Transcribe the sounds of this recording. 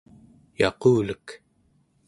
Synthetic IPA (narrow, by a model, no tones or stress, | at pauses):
jɑ̰quːlək